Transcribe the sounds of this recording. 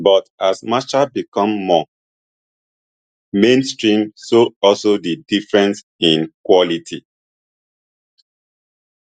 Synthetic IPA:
bɔtasmat͡ʃabikɔ̃mːɔ | mẽnstɹĩmsoɔlsodidifɹɛ̃ns | ĩnkwɔlitʰi

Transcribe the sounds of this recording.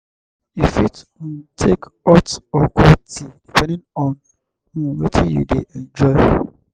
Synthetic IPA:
ifitutʰekɔtɔkʰɔtidipʰɛ̃nĩnɔ̃n | ũwetʰĩjṵdeʔɛ̃nd͡ʒɔɪ

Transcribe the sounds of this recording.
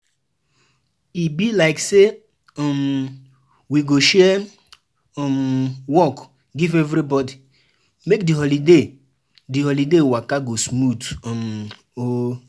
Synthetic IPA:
ibilaɪkse | ɔm | wiɡoʃɛ | ɔmwɔk | ɡivɛvɾibɔdi | mek̚diɦɔlide | dihɔlidewakaɡosmutɔm | o

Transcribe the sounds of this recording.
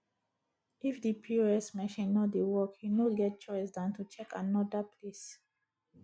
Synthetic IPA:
ʔifdipʰiɛsmɛ̃ʃĩnːodiwɔkhinolɡɛt̚t͡ʃɔjsdãntʰut͡ʃɛkʰa̰nɔdapʰlis

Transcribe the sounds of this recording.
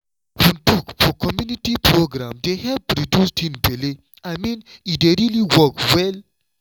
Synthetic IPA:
hũntukfɔkɔmjuniʈipɾoɡɾãmd̪ehɛv̚pɾidjusʈĩnbeli | ajmĩnideɾiliwɔkwɛl

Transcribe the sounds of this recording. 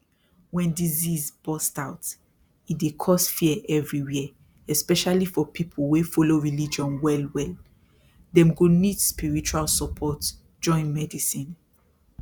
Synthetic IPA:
wɛ̃ndizizbɔstaʊt | idekʰɔsfiɛʔɛvɹiwɛ | ɛspɛʃalifɔpʰipʰlwefɔloɹilid͡ʒɔ̃nwɛlwɛl | dɛ̃mɡonidspiɹit͡ʃualsɔpʰɔt | d͡ʒɔ̃ɪ̃nmɛdisĩn

